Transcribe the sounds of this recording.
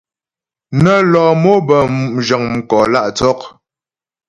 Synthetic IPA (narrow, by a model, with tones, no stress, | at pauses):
nə˨lɔː˨mo˦bə˨m̩˨d͡ʒə˨ŋm̩˨kɔː˨la˦˨ʔt͡sɔ˦k̚